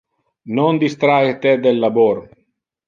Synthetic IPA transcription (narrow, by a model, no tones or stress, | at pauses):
nond̪ist̪ɾaet̪ɛd̪elːaboɾ